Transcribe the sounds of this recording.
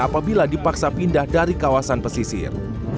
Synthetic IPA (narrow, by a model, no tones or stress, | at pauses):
apabiladipaksapindahdaɾikawasanpəsisɪ̰r